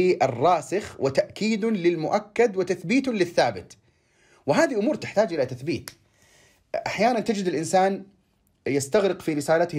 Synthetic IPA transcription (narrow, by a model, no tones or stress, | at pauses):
iʔɪrˤːɑːsɪxwʔɪt̪aʔkiːd̪lɪlmʊʔakːad̪wɪt̪aθbiːt̪lɪθːaːbɪt̪ | wɪɦaːðiʔʊmuːɾt̪ɪħt̪aːd͡ʒʔɪlat̪aθbiːt̪ | ʔaħjaːnant̪ɪd͡ʒɪd̪ɪlʔɪnsaːn | jɪst̪aɣɾɪqfiɾɪsaːlat̪